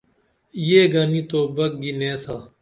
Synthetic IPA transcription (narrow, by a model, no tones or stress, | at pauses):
jeːɡaːniːt̪oːbɐk̚ɡineːsaː